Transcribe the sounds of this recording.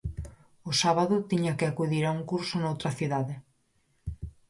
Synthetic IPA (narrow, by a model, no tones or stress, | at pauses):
ʊsaβaðʊt̪iɲakɪakuðiɾauŋkuɾsʊnowt̪ɾɐθiðaðɪ